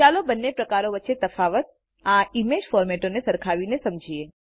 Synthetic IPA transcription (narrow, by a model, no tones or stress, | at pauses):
alobənːepɾəkaɾoʋətːʃet̪əfaʋət̪̚ | aimed͡ʒfɔɾmɛʈonesəɾkʰaʋinesəmd͡ʒʱie